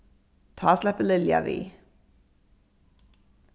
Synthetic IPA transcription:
t̪ʰɑːslɛpəlɪljɑ̰ʋḭː

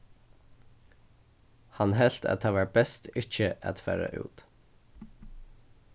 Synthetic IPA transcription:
hɑnhɛlt̪ʰæ̰t̪ʰɑːʋæʈ̚bɛst̪ɪc͡çəʔɑ̰t̪fæ̰ːɾə̰ʔʉ̰ːt̪

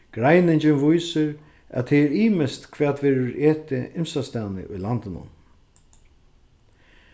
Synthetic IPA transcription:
ɡ̥ɾajnɪɲt͡ʃɪnvujsɪɾ | ʔæ̰t̪ʰːɛɛɾiːmɪst̪kʰvɛːt̪vɛːɾɪɾeːt̪ɪʔɪmsast̪aːnɪ̰ʔʊjlant̪ɪnʊ̰n

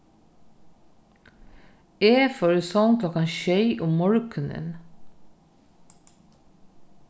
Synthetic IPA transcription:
eːfɔɾʉsɔnkʰlɔkɑnʃœʏʔʊmmɔɹkʰʉnə̰n

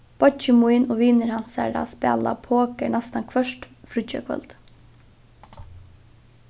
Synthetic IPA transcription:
b̥ɔt͡ʃəmuɪnoːʋiːnəɾhɑnsæ̰ːɖɑ̰spɛ̰ːlɑ̰pʰoːkəɳæst̪ɑnkʰʋœʃtfɾʉc͡çə̰kʰʋɛ̰lt̪

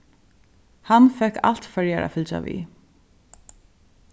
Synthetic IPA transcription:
hanfɛhka̰l̥t̪fœɹjaɾa̰fɪlt͡ʃa̰ʋḭ

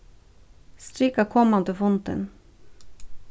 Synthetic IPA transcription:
st̪ɾɪkakʰɔmːand̪əfʊnt̪ə̰n

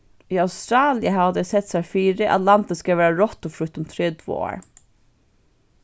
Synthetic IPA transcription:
iːɑʊst̪ɾɑːlɪəɦɑʋd̪ɛsɛt̪sæfiːɾɪʔɑ̰t̪lɑnt̪əskaʋæːɹaɹɔt̪ɔfɾʉt̪ʊmt̪ʰɾeːt̪ʰvo̰ːo̰ːɹ

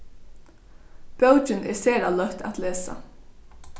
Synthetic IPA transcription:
pœwt͡ʃɪnʔɛ̰ɹsɛːɾalœht̪ʰa̰t̪leːsa̰

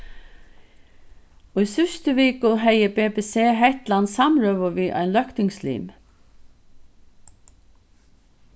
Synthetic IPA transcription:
ʊijsʏst̪əviːkʊɦɛjəbeːpɛːseːɦɛht̪lansamɾœːʋəviːʔa̰ɪnlœhkt̪ɪŋslḭːm

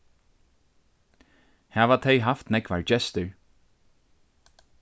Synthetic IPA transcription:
hɛːvat̪ʰejɦaft̪nɛkva̰ɹd͡ʒɛst̪ʏɹ

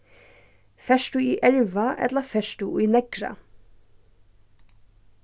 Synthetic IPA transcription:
fɛʃʈʊiːʔɛɹʋɑʔɛ̰t̪ləfɛʃʈuʔiːnɛɡ̥ɹɑ̰

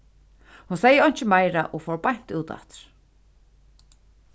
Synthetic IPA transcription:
hunsɛːjːɪɔjɲ̥t͡ʃɪmajɾaʔɔɣfɔwɾpajɲ̥t̪uːt̪a̰t̪ɪɾ̥

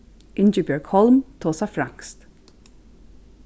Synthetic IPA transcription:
ɪnd͡ʒɪbjɛɹkʰhɔlmt̪ʰoːsafɾaŋkst̪

